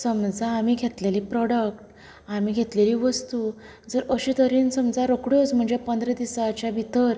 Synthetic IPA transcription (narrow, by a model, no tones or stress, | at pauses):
səmd͡zaːmiɡʱet̪leliːpɾɔɽək̚ʈ | amiːɡʱet̪leliːʋəst̪uː | d͡zəɾəɕiːt̪əɾiːnsəmd͡zʱaɾokɽjot͡sm̤əɳd͡zepənd̪ɾed̪isat͡ɕjabʱit̪əɾ